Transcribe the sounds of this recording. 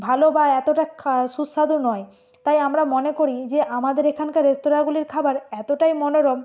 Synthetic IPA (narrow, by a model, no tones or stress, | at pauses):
bʱalobaɛt̪oʈakʰʃusːad̪onɔe | t̪ajamɾamonekoɾid͡ʑeʔamad̪eɾekʰankaɾest̪oɾaɡuliɾkʰabaɾɛt̪oʈajmɔnoɾɔm